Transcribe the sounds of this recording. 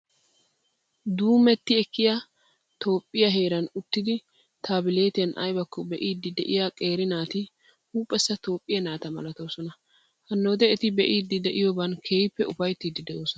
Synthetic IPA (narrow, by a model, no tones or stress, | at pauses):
d̪uːmɛt̪ːɪɛkːɪja | t̪o̞ːpʼːɪjɐɦe̞ːɾɐnʊt̪ːɪd̪ɪ | t̪ʰaːbɪle̞ːt̪ɪjɐnʔɐ̰jbɐkːɔbɛʔiːd̪ːɪd̪ɛʔɪjakʼe̞ːɾɪnaːt̪ɪ | huːpʼːɛsːɐt̪o̞ːpʼːɪjɐnaːt̪ɐmɐ̰lɐt̪o̞ːsɔnɐ | hɐnːoːd̪ɛɛt̪ɪbɛʔiːd̪ːɪd̪ɛʔɪjobɐnkʰeːjpːɛʊfɐjt̪ːiːd̪ɪd̪ɛʔoːsɔ